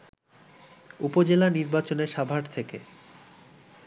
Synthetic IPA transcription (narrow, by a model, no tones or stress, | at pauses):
upod͡ʑelaniɾbat͡ɕoneɾʃabʱaɽt̪ʰeke